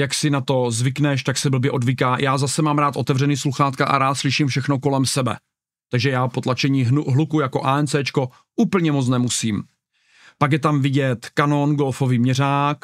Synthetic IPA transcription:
jaksɪnat̪o̞zvɪknɛʃt̪aksɛbl̩bjɛʔo̞dvikaːjʔaːzasɛmaːmɾaːt̪ʔo̞t̪ɛvrɛniːsluxaːt̪kaʔa̰ɾaːt̪slɪʃiːmfʃɛxno̞ko̞lɛmsɛbɛ̰ | t̪aɡʒɛjaːpot̪lat͡ʃɛɲiːɦlukujako̞ʔaɛnt͡sɛːt͡ʃko̞ | ʔuːpl̩ɲɛmot͡snɛmusiːm | pakjɛt̪amvɪɟɛt̪kano̞nɡolfo̞viːmɲɛraːk

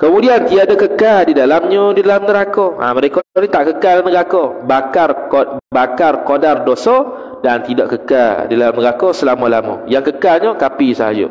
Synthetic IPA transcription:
kəmudiant̪iadakəkadidalamɲodidalamnəɾakoa̰məɾekɔɔnit̪aʔkəkalanəɡakɔbakarobakarkodardosɔ | dant̪idaʔkəka̰dialamnəɾakɔsəlamola̰mɔ̰jaŋkəkaɲokapisəɦa̰d͡ʒo̰

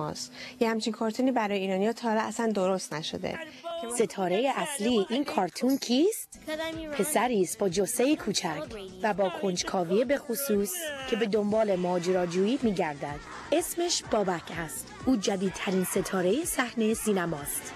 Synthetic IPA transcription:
ɒ̰sjehæmt͡ʃʰinkʰɒːɾt̪ʰuniːbæɾɒːjeiːɾɒːnijɒt̪ʰɒːɾeæsænd̪o̞ɾost̪næʃo̰d̪ḛ | se̞t̪ʰɒːɾe̞jeʔæsliːʔiːnkʰɒːɾt̪ʰuncʰiːst̪pʰe̞sæɾiːst̪̚b̥ɒːd͡ʒosejekʰuːt͡ʃʰæcʰvæbɒːkʰo̞nd͡ʒkʰɒːviebe̞xusuːscʰe̞be̞d̪o̞mbɒːle̞mɒːd͡ʒeɾɒːd͡ʒuːiːmiːɟæɾd̪æd̪̥ | e̞smeʃb̥ɒːbæcʰæst̪uːd͡ʒæd̪iːd̪̚t̪ʰæɾiːnse̞t̪ʰɒːɾe̞jesæhnesiːnæmɒːst̪

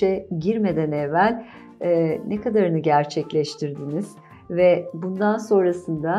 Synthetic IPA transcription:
ɛɟiɾme̞d̪ænɛvːælʲ | ɛnɛkʰad̪aɾɯnɯɟæɾt͡ʃʰɛclʲɛʃt̪ʰiɾd̪iniz̥ | vɛbund̪anso̞nɾasɯnd̪a

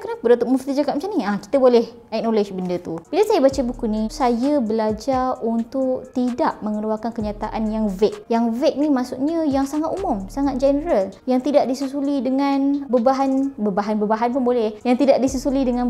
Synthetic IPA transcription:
kənapədat̪ʊk̚məft̪id͡ʒakat̪mat͡ʃamniahki̥t̪əbolɛh | ɛk̚nolɛd͡ʒbəndət̪ub̥iləsajabat͡ʃabukunisajəbəlad͡ʒaunt̪ʊʔt̪idaʔməŋəluakankəɲat̪aʔanjaŋvɛk̚jaŋvɛk̚nimasuʔɲəjaŋsaŋat̪umʊmsaŋat̪̚d͡ʒɛnəɾaljaŋt̪idaʔdisəsulidəŋanbəbaɦanbəbaɦanbəbaɦanpʊnbolɛhjaŋt̪idaʔ̚disəsulidəŋãn

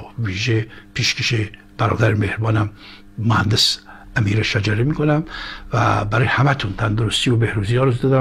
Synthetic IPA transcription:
viːʒepʰiʃkeʃe | b̥æɾɒ̰ːd̪æɾemehɾbɒːnæmː | ohænd̪esæmiːɾeʃæd͡ʒæɾemiːkonæmvæ̰bæɾɔjhæmæt̪ʰunt̪ʰænd̪oɾust̪iobehɾuziɒɾzd̪ɔd̪

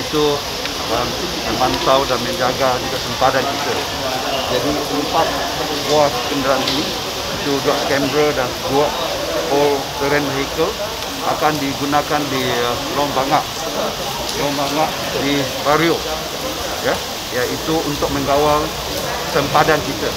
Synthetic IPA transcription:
it̪u | əm | əmant̪awdanmə̃ɲd͡ʒaɡauɲut̪aʔsəmpadankit̪ə | d͡ʒadiʔəmpat̪̚ | skoakəkəndəɾanini | it̪uduaʔkɛmbɾədanduaʔ | pɔlt̪əɾənɦekəl | ʔa̰kandiɡunakandi | lɔŋbaŋaʔ | j | lɔŋbaŋaʔ | dibaɾio | ja | jait̪uunt̪ʊk̚mə̃ŋɡawal | səmpadankit̪ə

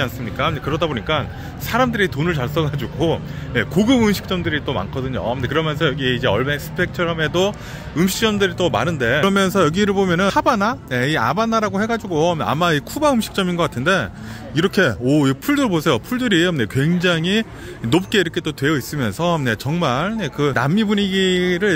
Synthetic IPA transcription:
d͡ʑians͈ɯmɲik͈aɲekɯɾʌdaboɲik͈an | sʰaɾamdɯɾitonɯɭt͡ɕaɭs͈ʌɡad͡ʑuɡo | je̞koɡɯmɯmɕʰi̥k̚t͡ɕ͈ʌmdɯɾit͈oma̰nkʰʌdɯɲo̰dekɯɾʌmjʌnsʰʌjʌɡiid͡ʑe̞ʌɭmesʰɯ̥pʰe̞k̚t͡ɕʰʌɾʌme̞do | ɯmɕʰi̥k̚t͡ɕ͈ʌmdɯɾit͈oma̰nɯnde̞ɾʌmjʌnsʰʌjʌɡiɾɯɭbomjʌnɯnabanaje̞ia̰banaɾaɡoheɡad͡ʑuɡoa̰maikʰubaɯmɕʰi̥k̚t͡ɕ͈ʌminɡʌk͈atʰɯnde̞ | iɾʌkʰe̞ʌipʰuɭdɯɭbosʰejopʰuɭdɯɾine̞kwe̞ŋd͡ʑaŋɦi | nop̚k͈e̞iɾʌkʰe̞t͈otwe̞jʌis͈ɯmjʌnsʰʌne̞t͡ɕʌŋmaɭne̞kɯna̰mːibuɲiɡiɾɯɭ

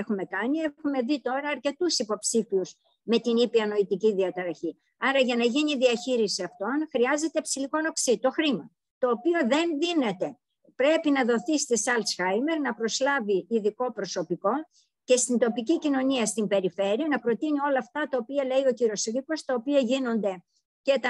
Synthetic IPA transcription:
exume̞kɐnie̞xume̞ðit̪o̞ɾɐːɾce̞t̪usipo̞psifiuz | me̞t̪inipiɐno̞it̪iciðiɐt̪ɐɾɐçi | ɐɾɐʝɐnɐʝiniðiɐçiɾisiɐft̪o̞nxɾiɐze̞t̪e̞psiliko̞no̞ksit̪o̞xɾimɐ | t̪o̞ːpio̞ðe̞nðine̞t̪e̞ | pɾe̞pinɐðo̞θist̪isɐlt̪sxɐjme̞ɾnɐpɾo̞slɐviːðiko̞pɾo̞so̞piko̞ | ce̞st̪int̪o̞picicino̞niɐst̪imbe̞ɾife̞ɾiɐnɐpɾo̞t̪inio̞lɐːft̪ɐt̪ɐopiɐle̞io̞ciɾio̞sɾiko̞st̪ɐopiɐʝino̞nd̪e̞ | ce̞t̪ɐ

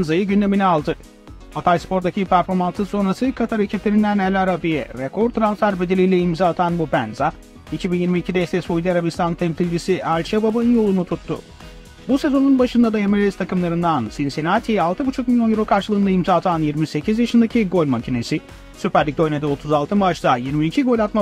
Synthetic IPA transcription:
nzajɯɟynd̪e̞minialˠd̪ɯ | at̪ʰajspo̞ɾd̪acʰipʰæɾfo̞ɾmansɯso̞nɾasɯkʰat̪ʰaɾɯcʰɛp̪lʲeɾind̪ænɛlʲaɾabiɛvɛkʰo̞ɾt̪ʰɾansfæɾbed̪ilʲijlʲɛimzaːt̪ʰanbubænza | icʰibinjiɾmiːcʰid̪ɛst̪ɛsoid̪iaɾabist̪ʰant̪ʰɛmsilʲd͡ʒisiʔælʲt͡ʃʰɛbabanɯnjo̞lˠunut̪ʰut̪ːṵ | buse̞zo̞nunbaʃɯnd̪ad̪aemelʲist̪ʰakɯmlˠaɾɯnd̪ansinsinat̪ʰialˠt̪ʰɯbut͡ʃʰuk̚milʲjo̞njyɾo̞kʰaɾʃɯlˠɯːnaimzaːt̪ʰanjiɾmise̞cʰizjaʃɯnd̪acʰiɡo̞lʲmacʰine̞si | sypæɾlʲic̚d̪ø̞jned̪ɛo̞t̪ʰuzalˠt̪ʰɯmbaʃd̪ajiɾmiicʰiɡo̞lʲat̪ma

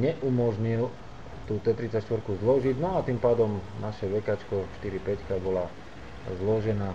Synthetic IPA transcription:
ɲɛʔumɔʒɲil | t̪uːt̪ɛt̪ɾit͡sacʃt̪ʋɔɾkuzlɔʒiɟnɔat̪iːmpaːd̪ɔmnaʃɛʋɛkat͡ʃkɔʃt̪iɾipɛckabɔla | zlɔʒɛnaː

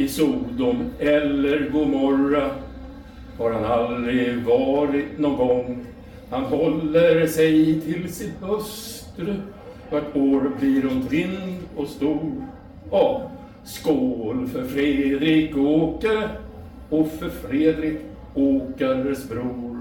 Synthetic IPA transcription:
ɪsuːd̪ʊmɛlːəɾɡuːmɔɾa | haɾhanald̪ɾɪvɑːɾɪt̪nɔŋɡɔŋ | hanɦɔlːəɾsɛjt̪ʰɪlsɪt̪hœst̪ɾə | vaʈoːɾbliɾʊnt̪ʰɾɪnd̪ɔst̪uːɾ | ɑː | skoːlfœɾfɾed̪ɾɪkoːkəɾ | ɔfœɾfɾeːd̪ɾɪk | oːkəɾsbɾuːɾ

